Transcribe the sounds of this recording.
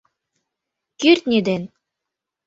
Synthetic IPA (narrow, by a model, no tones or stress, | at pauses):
kyɾʲt̪nʲed̪en